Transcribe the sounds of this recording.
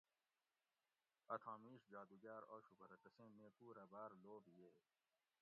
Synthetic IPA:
ɐt̪ʰãːmiːʂd͡ʑaːd̪uɡaːɾoːʃubʱɐɾɐʈɐsẽːmẽːkuːɾɐbaːɾloːbijeː

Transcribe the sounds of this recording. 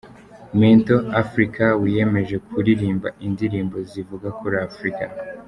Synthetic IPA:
mintoafɾikawije̞me̞ʒe̞kʰuɾiɾiːmba̰ʔindiɾiːmbo̞zivuɡakuɾafɾika

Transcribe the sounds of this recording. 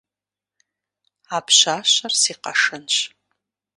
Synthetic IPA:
aːpɕaːɕɐrsiːqɐ̰ʂɨnɕ

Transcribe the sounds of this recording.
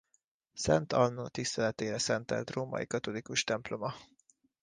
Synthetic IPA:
sɛnt̪ɒlnːoːt̪ist̪ɛlɛt̪eːɾɛsɛnt̪ɛ̰rt̪roːmɒ̰jḭkɒt̪o̞likuʃt̪ɛmplo̞mɒ

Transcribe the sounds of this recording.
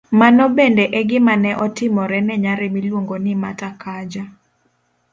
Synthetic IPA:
manɔbendeʔɛɡɪmanɛʔɔtɪmɔɾɛnɛɲaɾɛmilwoŋɡonɪmatakʰad͡ʒa

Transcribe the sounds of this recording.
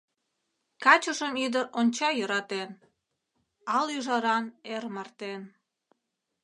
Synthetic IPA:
kɑt͡ɕəʃəmyd̪əɾonʲt͡ɕɑjəɾɑt̪en | ɑlyʒɑɾɑnermərt̪en

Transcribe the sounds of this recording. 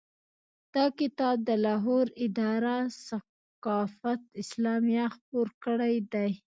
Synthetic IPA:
d̪̥ɑkɪt̪ɑb̚d̪əlɑɦoɾɪd̪ɑɾasa | qɑfat̪ɪslɑmijaxp̚oɾkəɽajd̪aj

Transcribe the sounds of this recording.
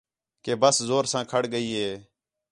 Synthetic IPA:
keːbəszoːɾsãːkʰəɽɡəiːɦeː

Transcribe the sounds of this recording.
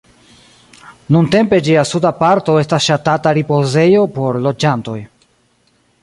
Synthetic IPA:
nunte̞mpe̞d͡ʒiasudapaɾto̞e̞stasʃatataɾipo̞ze̞jo̞po̞ɾlo̞d͡ʒanto̞̰j

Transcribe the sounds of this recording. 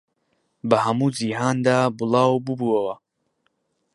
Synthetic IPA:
bɐhɐmuːd͡ziɦaːnd̪aːbɨlˠɑːwbɨbuɐwɐ

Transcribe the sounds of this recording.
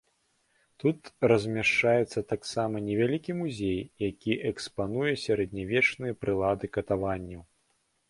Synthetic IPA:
t̪ut̪rɐzʲmʲaʂt͡ʂajɛt̪sːɐt̪aksamɐnʲɛvʲalʲikʲimuzʲejjakʲiʔɛkspanujɛsʲaɾɛd̪̚ʲnʲavʲɛt͡ʂnɨjɐpɾɨlˠad̪ɨkɐt̪avanʲːɐw

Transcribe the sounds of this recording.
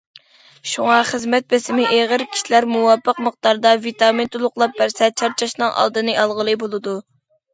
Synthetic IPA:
ʃuŋɑχəzmɛt̪̚besɪmɪʔeʁəɾkʲʰi̥ʃilæɾmuwɑpʰːəqməχt̪ɑɾd̪ɑvit̪ɑmint̪ʰulˠʊqlˠɑp̚bæɾsɛt͡ʃʰɑɾt͡ʃʰɑʃnɨŋʔɑ̰lˠd̪ɨnɨʔɑlˠʁəlˠɨbolˠɨd̪u

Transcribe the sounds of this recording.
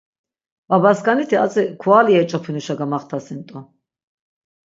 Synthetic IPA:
vabaskʼanit̪ʰiat͡sʼɛkʰuaːliɛt͡ʃʼɔpʰinuʃaɡamaχt̪ʰasint̪ʼɔ

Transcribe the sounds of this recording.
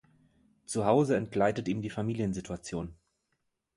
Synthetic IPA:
t͡suɦaʊzəɛntɡ̥laɪtətiːmdiːfamiːljənzitʰuat͡sjoːn

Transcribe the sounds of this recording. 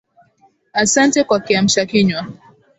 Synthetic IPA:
asantɛkwakiam̩ʃakiɲwa

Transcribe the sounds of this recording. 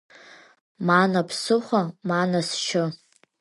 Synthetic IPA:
manapʰsɨχʷamanasʃʰʊ

